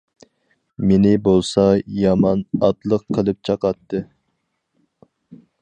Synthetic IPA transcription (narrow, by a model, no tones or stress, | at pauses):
menɪbolˠsɑjɑmɑnɑt̪lˠəqʰːəlˠɨp̚t͡ʃʰɑqɑt̪ːɨ